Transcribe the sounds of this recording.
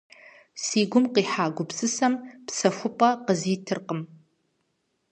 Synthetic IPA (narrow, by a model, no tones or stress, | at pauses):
siːɡʷʊmqiːħaːɡʷʊpsɨsɐmpsɐxʷʊpʼɐqəziːtʰɨrqəm